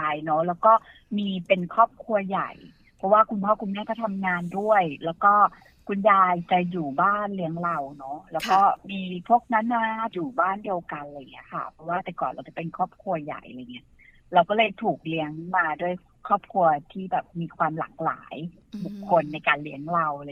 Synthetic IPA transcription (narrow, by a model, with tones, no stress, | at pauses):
a˧jnɔ˦˥lɛː˦˥wkɔː˥˩ | miː˧pe˧nkʰɔː˥˩p̚kʰu˧ɐja̰˨˩j | pʰɾɔ˦˥waː˥˩kʰu˧npʰɔː˥˩kʰu˧nmɛː˥˩ka˨˩t̪ʰa˧mŋaː˧ndu˥˩əjlɛː˦˥wkɔː˥˩ | kʰu˧njaː˧jt͡ɕa˨˩juː˨˩baː˥˩nli˦˥əŋɾa˧wnɔ˦˥lɛː˦˥wkɔː˥˩miː˧pʰu˥˩ək̚na˦˥nːaː˧˦˥juː˨˩baː˥˩ndi˧əwka˧nla˧jŋi˦˥ɐkʰa̰˥˩pʰɾɔ˦˥waː˥˩t̪ɛ˨˩kɔː˨˩nɾa˧˩wt͡ɕa˨˩pe˧nkʰɔː˥˩p̚kʰu˧ɐja̰˨˩jɾa˧jŋi˦˥ɐʔ | la˧wkɔː˥˩lɤː˧jt̪ʰuː˨˩k̚li˦˥əŋmaː˧du˥˩əj | kʰɔː˥˩p̚kʰu˧ɐt̪ʰiː˥˩bɛː˨˩p̚miː˧kʰwaː˧mla̰ː˨˩k̚la̰ː˩˦j | bu˨˩kʰːo˧nːa˧jkaː˧nli˦˥əŋɾa˧wɾ